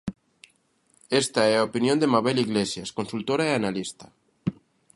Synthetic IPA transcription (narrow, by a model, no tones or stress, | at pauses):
est̪aɛaopinjõnd̪emaβeliɣlesjaskonsult̪oɾaeanalist̪ḁ